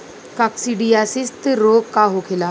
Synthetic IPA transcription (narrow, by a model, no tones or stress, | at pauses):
kaksiɖiasɪst̪ɾoːɡ̚kaɦokʰɪlaː